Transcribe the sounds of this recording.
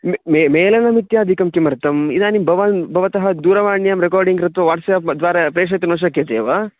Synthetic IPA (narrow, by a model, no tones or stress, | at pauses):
mmemeːlɐnɐmit̪jaːd̪ʱikɐmkimɐɾt̪ɐmid̪aːnimbʱɐʋɐnbʱɐʋɐt̪ɐɦɐd̪uːɾɐʋaːɳjɐmɾekaːɾɖiŋɡɾɐt̪ʋɐʋaːʈsɐjɐd̪ʋaːɾɐpɾeːʂ̬ɐjt̪ɐnoːʃ̬ɐkːjɐd̪eːʋaː